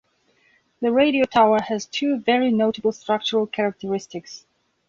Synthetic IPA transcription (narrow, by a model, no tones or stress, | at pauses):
ðɨɹeɪɾioʊtʰaʊə˞ɨz̥tʰʉvɛɹinoʊtəbl̩ˠstɹ̥ʌk̚t͡ʃəɹəlˠkʰɛɹək̚tʰəɹɪstɪks